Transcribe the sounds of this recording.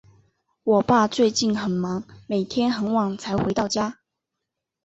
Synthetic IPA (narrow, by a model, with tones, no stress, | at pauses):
wɔ˨˩pa˥˧t͡swe˥˧ɪt͡ɕi˥˩nxə˨˩nmɑ˨˥ŋme˨˩ɪt̪ʰjɛ˥nxə˧˥nwɑ˨˩ŋt͡sʰa˧˥ɪxwe˧˥ɪt̪ɑ˥˨ʊt͡ɕja˥